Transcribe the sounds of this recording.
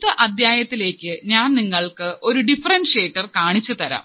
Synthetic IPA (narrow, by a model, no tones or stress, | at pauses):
t̪ːɨʔɐd̪jaːjɐt̪ːile̞ːkʲːɨɲaːnniŋːɐɭkɨʔo̞ɾuɖifɐrɐnɖʂe̞ːʈːɐrkaːɳit͡ɕːut̪ɐɾa̰ːm